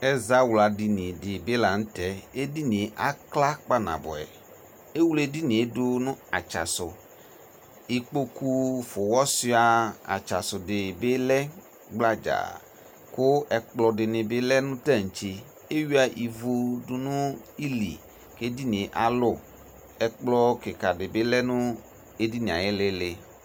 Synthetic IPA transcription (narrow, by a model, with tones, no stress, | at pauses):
ɛ˦za˨˦wla˨di˨ni˨dɪ˨be˦la˨n̩˦tɛ˨˦e˦di˦n˨˦ʔa˦kla˦k͡pa˦na̰˨bɔ̰˨ɛ̰˨ | e˦wu˦le˦˧di˦ni˨e˨dʊ˧nʊ̃˦a̰˨t͡ʃa̰˨sʊ˨ | i˨k͡po˦ku˧fʊ˨wɔ˦si˧˦a˧a̰˨t͡ʃa˨sʊ˨dɪ˨bɪ˦lɛ˦ | ɡ͡bla˦d͡ʒa̰˨ | kʊ˦ɛ˧k͡plɔ˧dɪ˨nɪ˨bɪ˦lɛ˦nʊ̃˦tɛ˦˨t͡ʃe˧ | e˦wi˦a˧ʔi˨vu˧dʊ˧nʊ̃˦i˦lḭ˨ | ke˦di˦nĩ˨ʔa˨lʊ˦˨ | ɛ˧k͡plɔ˧kɪ˨ka˨dɪ˨bɪ˦lɛ˦nʊ̃˦ | e˦di˦nĩ˨a̰˨jɪ˦lɪ˦lɪ˧